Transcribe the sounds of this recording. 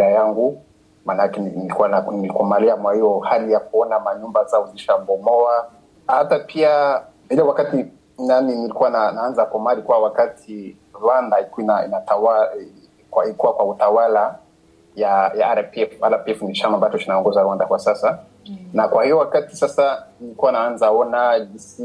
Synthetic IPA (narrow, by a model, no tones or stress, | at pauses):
ajaŋɡu | manakɛnilikuwananilikɔmaliamwahijɔhalijakuɔnamaɲumbazauziʃabɔmɔa | hatapʰia | ilɛwakati | naninilikuwananaanzakɔmalikuwawakatʰi | ɾwandaiinaḭnataa | kwaikuwakwautawala | jajaaɾapɛfaɾapiɛfnit͡ʃamambatɔkinaɔŋɡɔzaɾwandakwasasa | nakwahijɔwakati̥sasanilikuwanaanzaɔnad͡ʒisi